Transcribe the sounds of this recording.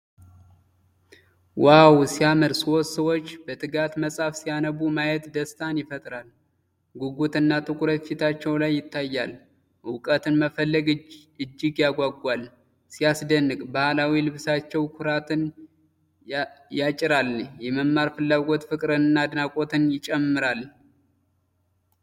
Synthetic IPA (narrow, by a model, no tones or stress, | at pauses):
wawsijamɨɾswot̪səwo̞t͡ʃːbət̪ʰɨɡat̪məsʼafsijanəβumajɛt̪d̪əst̪ʰanjɪfət̪ʼɾal | ɡuɡut̪ɨnːat̪ʰʼɨkʼʊɾət̪fit̪ʰat͡ʃːɛwlajːɪt̪ʰːajːa̰l | ʔɨwkʼət̪ɨnməfəlːəɡ | ɨd͡ʒːɪɡjaɡʷaɡʷal | sijasd̪ənːɨkʼbahlawilɨβsat͡ʃːɛwkʷʰʊɾat̪ʰɨn | jat͡ʃʼɪɾaljɛməmmːaɾfɨlːaɡo̞t̪fɨkʼɾɨnɨnːad̪ɨnakʼo̞t̪ʰɨnjɪt͡ʃʼɛmːɨɾal